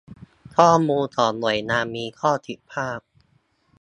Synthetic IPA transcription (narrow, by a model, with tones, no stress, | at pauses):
kʰɔː˥˩muː˧nsɔː˩˦nnu˨˩ə˦jnaː˧mːiː˧kʰɔː˥˩t̪ʰi˨˩pʰaː˥˩p̚